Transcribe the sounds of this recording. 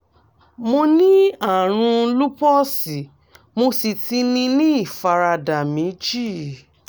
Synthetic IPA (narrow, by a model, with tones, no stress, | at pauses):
mo˧nĩ˦a˦˨ɾ̃ũ˧lu˦pɔ˦si˨ | mo˧si˨ti˧nĩ˧nĩ˦i˦˨fa˧ɾa˧da˨mĩ˨˦d͡ʒi˦˨